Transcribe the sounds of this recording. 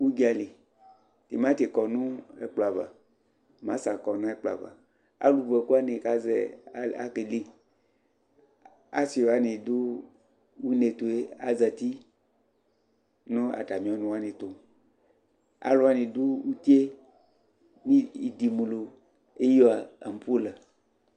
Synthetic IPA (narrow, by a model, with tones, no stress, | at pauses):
wu˦ɡi˦a˨li˨ | ti˨mã˦t̪e˨kɔ˨nũ˦ḛ˦k͡pla˨va̰˨ | mã̰˨˦sa˨kɔ˨nã˦e˦k͡pla̰˨va̰˨ | a̰˦lu˨vɛ˨ku˦a˦ne˨ka˨zɛ̰˨˦˨a̰˦ke˨li˦ | a̰˦si˨o˨a˦ne˨du˦ | wu˦ne˨t̪o˨e˦a˦za˨t̪i˦ | nũ˦a̰˨ta˨mĩ˨˦ɔ˨nũ˨wa˦nẽ˨t̪o˨ | a̰˦lo˦a˦nĩ˨du˦wu˦t̪i˦e˦ | mĩ˦i˨d̪i˨mũ˨lo˨ | e˦jo˦a˨a̰˨m˨pu˦la˨